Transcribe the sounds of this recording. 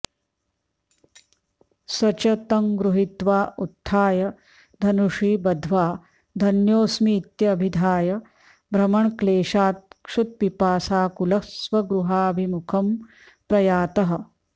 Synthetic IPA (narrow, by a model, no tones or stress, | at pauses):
sɐt͡ʃɐt̪ɐŋɡɾuɦit̪ʋaːʔut̪ʰːaːjɐ | d̪ʱɐnuʂiːbɐd̪ʱʋaː | d̪ʱɐnjoːsmiːt̪jɐːbʱid̪ʱaːjɐ | bɾɐmɐɳkleːʂaːt̪̚kʂut̪̚pipaːsaːkulɐsʋɐɡɾuɦaːɐbʱimukʰɐm | pɾɐjaːt̪ɐɦɐ̆